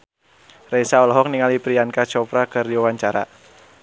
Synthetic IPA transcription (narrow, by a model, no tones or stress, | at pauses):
resaɔlɔɦɔk̚niŋalipɾiankat͡ʃɔpɾakɨrdiwawaɲt͡ʃaɾa̰